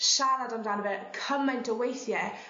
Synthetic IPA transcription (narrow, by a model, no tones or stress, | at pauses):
ʃaɾadamdanəvɛkʰəmɛntʰɔwejθjɛ